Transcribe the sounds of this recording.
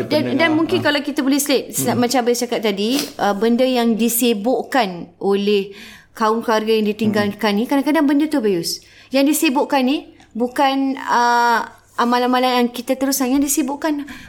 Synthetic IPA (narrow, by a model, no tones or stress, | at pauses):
dandanmuŋkɪnkalakit̪abolɛhslet̪̚smat͡ʃambajust͡ʃakat̪̚ːadiəbəndəjaŋdisibʊʔkanʔolɛhkaʊŋklarɡajaŋdit̪iŋɡalkanːikadãŋkadaŋbəndət̪ubajʊs | jaŋdisibʊʔkanːi | bukanə | amãlamalajaŋkit̪at̪əɾusanjaŋdisibʊʔkan